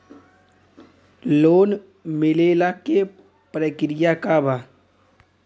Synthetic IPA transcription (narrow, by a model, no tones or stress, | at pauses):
loːn | mɪleːlake | pɾəkɾɪjakabʱaː